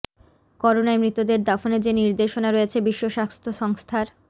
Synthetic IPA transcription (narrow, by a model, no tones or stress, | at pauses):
kɔɾonaemɾit̪ːod̪eɾd̪afoned͡ʑeniɾd̪eʃonaɾoet͡ɕʰebiʃːoʃast̪ʰoʃɔŋst̪ʰaɾ